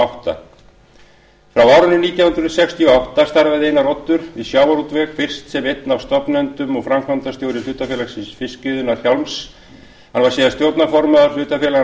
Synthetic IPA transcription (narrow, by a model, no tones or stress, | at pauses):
awht̪a̰ | fɾawaːwɾʏnːʏniːt̪jawhʏnɾʏnsɛkst̪ʰiɔawht̪ast̪aɾvaðejnarɔt̪ːʏɾ̥isjaːwaɾut̪vɛxfɪr̥st̪sɛmejt̪nawst̪ɔpnɛnt̪ʏmɔɣfɾamkʰant̪ast̪jowɾɪlʏht̪afɛːlasɪnsfɪscɪðʏnaɾ̥çjalms | hanvaɾ̥sɛːðast̪jowt̪nafɔɾmaðʏɾ̥l̥ʏht̪afɛla